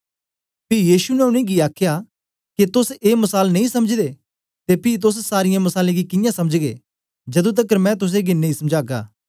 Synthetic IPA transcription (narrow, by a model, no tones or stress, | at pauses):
pɪjiːʃunɛʊnẽɡiaːkʰja | kit̪ʊseːmɐsaːlnɐ̃ĩsɐməd͡ʒd̪e | t̪epɪːt̪̬ʊs̬saːɾɪjãmɐsaːleɡikɪjãsɐməd͡ʒɡḛː | d͡ʒɐd̪ũt̪̬ɐkəɾmɛ̃t̪̬ʊs̬eɡinɐ̃ĩsɐmd͡ʒaːɡa̰ː